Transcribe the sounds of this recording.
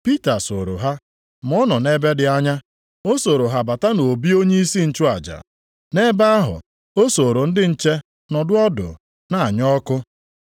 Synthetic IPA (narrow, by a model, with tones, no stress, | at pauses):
pi˦ta˨so˨ɾo̰˨ɦa˦ | m̩˨ɔ˦nɔ˨ne˦be˦dɪ˨a˦ɲa˦ | o˦so˨ɾo˨ɦa˨ba˨ta˦no˨bi˦o˦ɲe˦i˦si˦n̩˦t͡ʃʊ˦a˨d͡ʒa̰˨ | ne˦ba˦a˦ɦʊ̰˨ | o˦so˨ɾo˨n̩˦dɪ˦n̩˦t͡ʃe˦ | nɔ˨dʊ˦ɔ˦dʊ̰˨ | na˨a˨ɲɔ˦kʊ˦